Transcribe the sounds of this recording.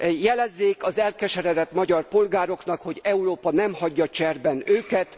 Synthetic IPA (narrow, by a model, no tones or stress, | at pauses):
jɛlɛzːeːkɒzɛlkɛʃɛɾɛd̪ɛt̪mɒɟɒrpo̞lɡaːɾo̞kn̪ɒkho̞ɟɛuroːpɒnɛmhɒɟːɒt͡ʃɛrbɛnøːkɛt̪